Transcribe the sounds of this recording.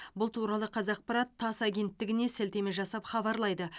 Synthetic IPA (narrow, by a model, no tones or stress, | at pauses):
bʊlˠt̪ʰuɾɑlˠəqʰɑzɑq̚pɑɾɑt̪ʰːɑsaɡʲe̞nt̪ːɪɡʲɪne̞sælt̪e̞mɪʒɑsɑpχɑβɑɾlˠɑjd̪ə